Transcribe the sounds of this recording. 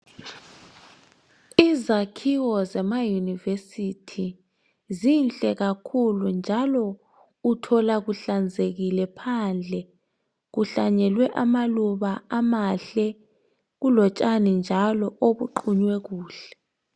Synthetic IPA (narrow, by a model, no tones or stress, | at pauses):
izakʰiwɔzɛmajunivesitʰi | zinɬʼɛɣakʰulund͡ʒʱalɔ | utʰɔlaɣuɬand͡zʱeɣilɛpʰand͡ɮʱɛ | ɣuɬaɲɛlwɛʔamaluβaamaɬɛ | ɣulɔt͡ʃʼanind͡ʒʱalɔʔoβuǃuɲwɛɣuːɬɛ̥